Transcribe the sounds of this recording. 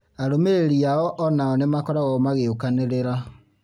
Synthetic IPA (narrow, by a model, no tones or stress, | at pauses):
aɾomeɾeɾiaɔʔɔnaɔnemakɔɾaɣɔmaɣeokaneɾeɾa